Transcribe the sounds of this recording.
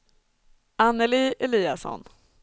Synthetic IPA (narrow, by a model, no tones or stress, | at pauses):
anːɛliːʔɛliːasɔ̰n